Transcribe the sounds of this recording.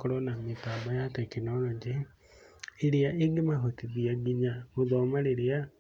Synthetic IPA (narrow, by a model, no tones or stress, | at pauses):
kɔɾɔnametaːbajatɛkenɔɾɔɲd͡ʒe | eɾeaʔeɡemaɦotiðiaɡiɲaoðɔmaɾeɾea